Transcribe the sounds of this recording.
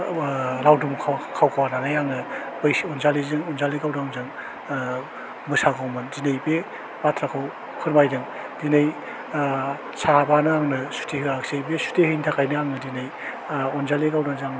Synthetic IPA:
ɾawdumkʰkʰawkʰawananajaŋnɯ | bɯjsɔnzalizɯŋɔnzaliɡawdaŋzaŋ | mɯsaɡawmɯnzinejbe | matʰɾakʰaw | kʰɯɾmajdɯŋ | dinej | sʰabanɯaŋnɯsu̥tʰeɦɯaksejbesu̥tehɯjntʰakajnɯaŋnɯdinaj | ɔnzaliɡawdaŋzaŋ

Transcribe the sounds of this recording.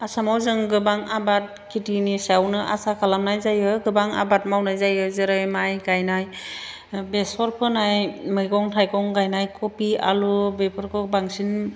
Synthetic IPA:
asamawzɯŋɡɯbaŋabat̚kʰitinisawnɯʔa̰sakʰalamnajzajɯɡɯbaŋa̰bat̚mawnajzajɯzɯɾɯjmajɡajnaj | bespʰɔɾpʰɯnajmɯjɡɔŋtʰajkɔŋɡajnajkʰɔpia̰lubepʰɯɾkʰɯbaŋsin

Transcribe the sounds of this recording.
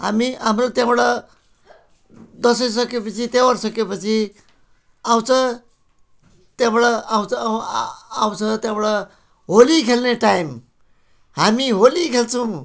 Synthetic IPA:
ɦa̰miʔamɾot̪jãʋɭə | d̪əsəs̬əkepət͡sʰit̪eʋəɾsəkepət͡sʰi | awt͡sə | t̪jãʋɭaawt͡s | awt͡sət̪jãʋɭa | ɦoliːkʰelneʈajm | ɦamiɦolikʰelt͡sũ

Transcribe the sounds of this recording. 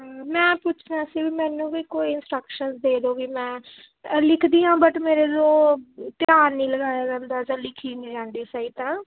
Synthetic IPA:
ɦːmɛ̃ːpʊt͡ʃʰnaːsiːʋiːmɛ̃ːnũːbiːkoːiɪnsʈɾəkʃənsd̪eːd̪oːʋiːmɛ̃ː | lɪkʰd̪iːɦãːbəʈmeːɾeːloːt̪ɪjaːnːĩːləɡaːjaːd͡ʒãːnd̪aːd͡ʒãːlɪkʰiːnĩːd͡ʒãːnd̪iːsaːiːt̪ãː

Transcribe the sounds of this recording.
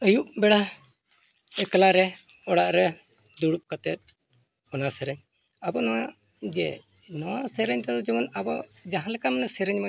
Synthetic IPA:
əjuʔbɛɽa | ɛklaɾɛ | ɔɽaʔɾɛ | d̪uɽup̚kat̪ɛt̪̚ | ɔnasɛɾəɲ | abɔnɔwa | d͡ʒɛ | nɔwasɛɾəɲt̪ɛd̪ɔd͡ʒɛmɔnabɔd͡ʒaɦãlɛkamənɛsɛɾɛɲma

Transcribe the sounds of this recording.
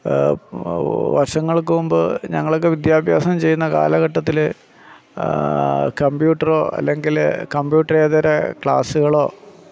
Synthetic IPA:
ʋɐrʂɐŋːɐɭk̬ːɨumbɨɲɐŋːɐɭok̬ːeʋid̪jaːbʱjaːsɐmt͡ɕe̞jːunːɐka̰ːlɐɣɐʈːɐt̪ːil | kɐmbjuːʈːɐro̞ːʔɐ̰lːe̞ŋɡilkɐmbjuːʈːɐreːðɐɾɐkɭa̰ːsuɣɐɭo̞ː

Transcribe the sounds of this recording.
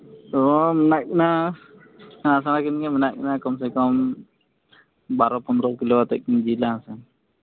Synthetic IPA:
t̪ɔmɛnak̚na | as̬anakinɡɛmɛnak̚nakɔms̬ɛkɔm | baɾɔpɔnd̪ɾɔkiloat̪ɛk̚nd͡ʒilasɛn

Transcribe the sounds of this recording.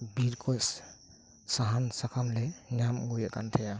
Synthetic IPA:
biɾkʰɔjs | saɦansakʰamlenamɡujakant̪ʰeja

